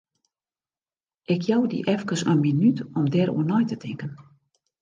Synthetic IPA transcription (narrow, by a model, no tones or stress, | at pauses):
ʔɪkʰjɔwdḭʔɛfkəsə̰nminytɔmdɛɾṵənɔjtətʰɪŋkən